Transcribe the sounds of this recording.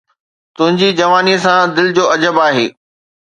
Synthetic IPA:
t̪ʊ̃ɦɪ̃ɲd͡ʑid͡ʑɐʋaːniəsãd̪ɪlɪd͡ʑoːɐd͡ʑəbaːɦḛː

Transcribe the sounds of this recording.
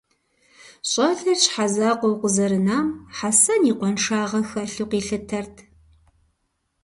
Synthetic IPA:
ɕʼɐɮɐɕħazaːqʷɔwqʷʊzɐɾɨnaːmħasɐniːqʷɔnʂaːʁɐxɐɬɨqiːɬɨtʰɐrtʰ

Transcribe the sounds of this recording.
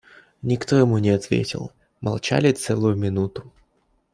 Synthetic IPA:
nʲɪkt̪o̞jɪmunʲɪɐt̪vʲḛtʲɪ̰lˠ | mɐ̰lˠt͡ɕa̰lʲɪt̪sɛlˠʊjʊmʲɪnut̪ʊ̥

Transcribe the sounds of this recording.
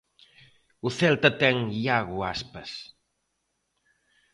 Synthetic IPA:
uθɛlt̪ət̪ɛŋiaɣuaspəs

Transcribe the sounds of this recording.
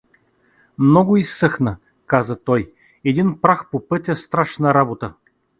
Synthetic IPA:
mnɔɡʊisːɤxnə | kazət̪ɔj | ɛd̪inpɾaxpopɤt̪ʲɐst̪ɾaʃnɐɾabot̪ə

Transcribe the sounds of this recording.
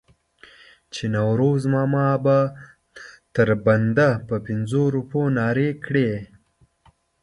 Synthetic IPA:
t͡ʃenawɾozmɑmɑba | t̪əɾband̪apəpɪnzoɾuponɑːɾekɽe

